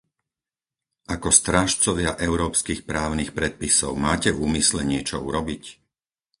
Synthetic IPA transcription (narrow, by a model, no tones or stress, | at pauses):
ʔakɔst̪ɾaːʃt͡sɔʋɪaʔɛʊɾɔːpskixpɾaːʊnixpɾɛt̪̚pisɔʊmaːcɛvuːmislɛɲɪɛt͡ʃɔṵɾɔbic